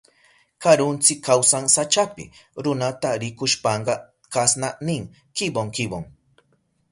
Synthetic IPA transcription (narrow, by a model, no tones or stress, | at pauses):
kaɾʊnt͡sɪkʰːawsaŋsat͡ʃapɪ̰ɾʊnat̪aɾɪkʊʃpɑɴɢɑ | kasnanɪŋ | kɪboŋkɪboŋ